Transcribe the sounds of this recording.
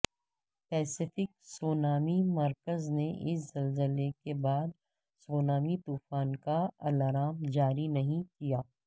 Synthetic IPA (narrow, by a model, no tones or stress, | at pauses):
pɛːsɪfɪk̚soːnaːmimɐɾkəzneʔɪszɐlzəlekebaːd̪ | soːnaːmit̪uːfaːnkaɐlaːɾaːmd͡ʒaːɾinɐɦĩkijaː